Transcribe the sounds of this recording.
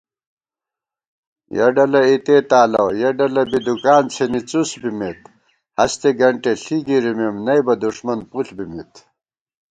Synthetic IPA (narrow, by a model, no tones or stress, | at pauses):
jɐ̰ɖɐlɐit̪et̪aːlɐwjɐɖɐlɐbid̪ukaːnt͡sʰenit͡susbimet̪ | hɐst̪eɡɐɳʈeɬiɡiɾimemnɐjbɐd̪uʂmɐnpuɬbimit̪